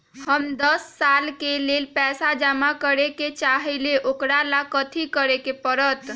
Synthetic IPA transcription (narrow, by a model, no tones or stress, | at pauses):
həmd̪əsːalkelelpɛsad͡ʒamakəɾeket͡ʃaɦɛleʔokɾalakət̪ʰikəɾekepəɾət̪